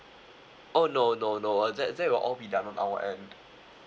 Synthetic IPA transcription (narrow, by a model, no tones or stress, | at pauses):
ʔonononoɛzɛtzɛt̚wilʔɔlbidãnɔ̃nʔa̰wə̰ʔɛ̃nd